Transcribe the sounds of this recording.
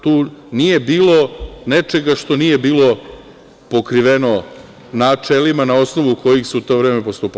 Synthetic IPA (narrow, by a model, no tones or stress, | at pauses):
t̪uːnije̞biːlˠo̞net͡ʃe̞ɡaʃt̪o̞nije̞biːlo̞ | po̞kɾiʋeno̞ | nat͡ʂelimanao̞sno̞ʋuko̞jixsuut̪o̞ːʋɾeːme̞post̪uːp